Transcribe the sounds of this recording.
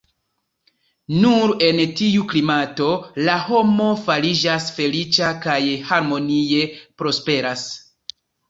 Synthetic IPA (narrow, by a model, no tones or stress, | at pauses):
nuɾe̞ntiuklimato̞laho̞mo̞falid͡ʒasfe̞lit͡ʃakajhaɾmo̞nije̞pɾo̞spe̞ɾas